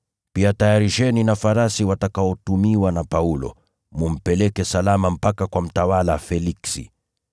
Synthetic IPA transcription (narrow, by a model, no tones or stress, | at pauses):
piatajaɾiʃɛninafaɾasiwatakaɔtumiwanapaulɔ̰ | mum̩pɛlɛkɛsalamam̩pakakwam̩tawalafɛliksḭ